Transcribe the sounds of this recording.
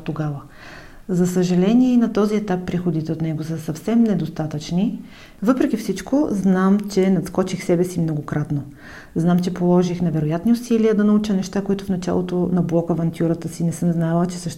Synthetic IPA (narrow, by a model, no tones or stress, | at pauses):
t̪oɡavə | zɐsəʒɐlɛniɛinɐt̪ɔziɛt̪apːɾixod̪it̪ɛot̪nɛɡosəsɐfsɛmnɛd̪ost̪at̪ət͡ʃni | vɤpɾɛk̟ifsit͡ʃkoznamt͡ʃɛnɐt̪skɔt͡ʃixsɛbɛsimnoɡokɾʔat̪no | znamt͡ʃɛpolˠɔʒixnɐvɛɾojat̪niʊsiliəd̪ɐnɐut͡ʃənɛʃt̪akoit̪ʊfnɐt͡ʃa̰lˠot̪onɐblˠɔkəvɐnt̪ʰʲjuɾət̪əsinɛsəmznavət͡ʃɛsɤʃt̪